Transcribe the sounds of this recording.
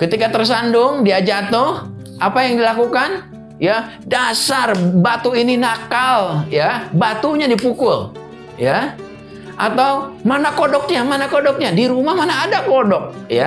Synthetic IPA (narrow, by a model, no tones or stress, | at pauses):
kət̪ikat̪ərs̬andʊŋdiad͡ʒat̪ʊh | ʔapajaŋdilakukan | ja | dasarbat̪uininakaljabat̪uɲadipukʊl | ja | ʔat̪awmanakodɔk̚ɲamanakodɔk̚ɲadiɾumahmanaːdakodɔk̚ja